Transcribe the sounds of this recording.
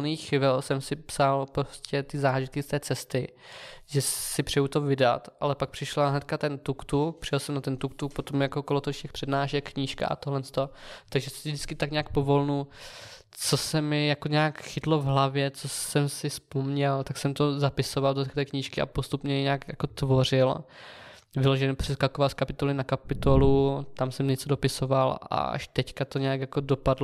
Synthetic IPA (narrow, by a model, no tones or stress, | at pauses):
niːxxɪvɪlsɛmsɪpsalpɾo̞scɛt̪ɪzaːʒɪt̪̚kɪst̪ɛːt͡sɛst̪ɪ | ʒɛsɪpr̝̥ɛjut̪ovɪda̰t̪ʔalɛpak̚pr̥ɪʃlaɦnɛt̪̚kat̪ɛnt̪ukt̪upr̝̥ɪjɛlsɛmnat̪ɛnt̪ukt̪ukpot̪omjakokolot̪oʃcɛxpr̥ɛdnaːʃɛkːɲiːʃka̰ʔa̰t̪oɦlɛnst̪o̞t̪aɡʒɛsɪvd̪ɪt͡skɪt̪akɲaaːk̚po̞vo̞lnu | t͡so̞sɛmɪjakoɲaːkxɪt̪lovɦlavjɛt͡sosɛmsɪspomɲɛlt̪aksɛmt̪o̞zapɪsovaldot̪ɛkt̪ɛːkɲiːʃkɪʔa̰po̞st̪upɲɛjɛɲaːkjako̞t̪vo̞r̝ɪl | vɪloʒɛɲɛpr̝̥ɛskakovalskapɪt̪olɪnakapɪt̪olut̪amsɛmɲɛt͡sodo̞pɪsovala̰ʔa̰ʃt̪ɛckat̪oɲɛjakjakodopadlo